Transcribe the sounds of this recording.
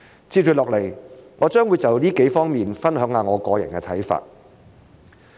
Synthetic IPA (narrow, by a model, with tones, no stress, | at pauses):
t͡siː˧kʰy˨˩lɔː˨k̚le˨˩jŋɔː˨˧t͡ʃœː˥ŋwuː˨˧jt͡sɐ˨wliː˥ke˨˥jfɔː˥ŋmiː˨nfɐ˥nhœː˨˥ŋaː˨˧ŋɔː˨˧kɔː˨˧jɐ̰˨˩nkɛː˧t̪ʰɐ˨˥jfa̰ː˧t̚